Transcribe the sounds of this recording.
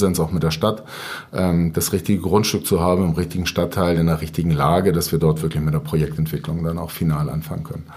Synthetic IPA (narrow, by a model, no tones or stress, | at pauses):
zɛnsaʊxmɪt̚d̥eːɐʃtat | ʔɛːmd̥asʁɪçtɪɡəɡʁʊntʃtʏk̚t͡suɦaːbm̩ɪmʁɪçtɪɡŋ̩ʃtatʰːaɪlɪndɐʁɪçtɪɡŋ̩laːɡədasv̥iːɐdɔɐtv̥ɪɐklɪçmɪtdeːɐpʁ̥ojɛk̚tɛntv̥ɪklʊŋdanaʊxfinaːlʔa̰nfa̰ŋənkʰœ̰nən